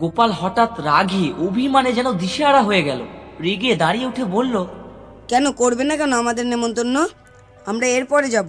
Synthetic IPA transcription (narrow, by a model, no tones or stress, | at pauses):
ɡopalɦɔʈat̪ɾaɡʱiʔobʱimaned͡ʑɛnod̪iʃeaɽaɦoeɡɛlo̰ɾeɡed̪aɽijeuʈʰebolːo | kɛnokoɾbenakɛnoamad̪eɾnemont̪onːo | amɾaeɾpɔɾed͡ʑabo